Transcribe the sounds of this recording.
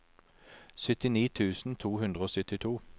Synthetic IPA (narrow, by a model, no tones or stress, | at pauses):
sœt̪ɪniːt̪ʰʉːsn̩t̪ʰuːhʉnd̪ʁəoːsʏt̪ɪt̪ʰuː